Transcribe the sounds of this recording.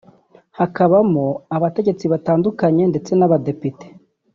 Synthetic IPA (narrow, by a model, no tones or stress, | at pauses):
hakaβamoaβate̞ɟe̞t͡siβataːndukaɲe̞nde̞t͡se̞naβade̞pite̥